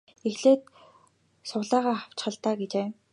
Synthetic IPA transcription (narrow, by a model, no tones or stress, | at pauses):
ixɮeːt̪̚ | sʊʁɮaːʁaːχaw̥t͡ɕχə̆ɮt̪aːɡet͡ɕeː